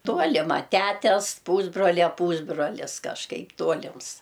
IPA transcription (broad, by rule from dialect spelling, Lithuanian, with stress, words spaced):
ˈtuɔlʲɪmɐ ˈtʲætʲɛs ˈpuːzbroːlʲɛ ˈpuːzbroːlʲɪs kɐʃˈkɐɪp ˈtuɔlʲɪms